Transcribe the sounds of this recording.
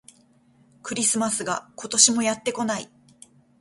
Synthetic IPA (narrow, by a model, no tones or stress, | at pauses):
kɯ̟ɾʲisɨmasɨɡako̞t̪o̞ɕimo̞jat̪ːe̞ko̞naḭ